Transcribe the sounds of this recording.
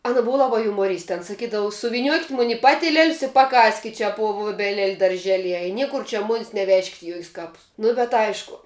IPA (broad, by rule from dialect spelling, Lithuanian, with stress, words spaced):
ˈɑːnɐ ˈbʊʋɐ ˈlˠɑːbɐ jʊmoːˈrʲiːsʲtʲɛ ɐn sɐˈkʲiːdɐʋʊ sʊʋʲɪˈnʲuɔkʲɪtʲ mʊnʲ ɪ ˈpɑːtʲɪlʲiɛlʲs ɪ pɐˈkɑːsʲkʲɪtʲ t͡ʃʲɛ puɔ ʋuɔbʲɛˈlʲɛlʲ dɐrʲˈʒʲæːlʲiɛjɛ ɪ ˈnʲiɛkʊr t͡ʃʲɛ ˈmʊnʲɪs nʲɛˈʋʲæːʃʲkʲɪtʲ ɪ ˈjoːkʲɪs ˈkɑːpʊs nʊ bʲɛt ˈɐɪʃkʊ